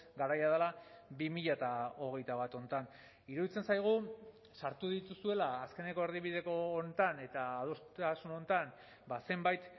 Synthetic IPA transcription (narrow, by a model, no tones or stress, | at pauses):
ɡaɾajaðalaβimiʎat̪ao̞ɣ̞e̞jt̪aβ̞at̪o̞nt̪an | iɾuðit͡se̞nsajɣ̞u | saɾt̪uðit̪usue̞laːske̞ne̞ko̞e̞ɾðiβ̞iðe̞ko̞ːnt̪ane̞t̪aːð̞ost̪asuno̞nt̪an | base̞mbajt̪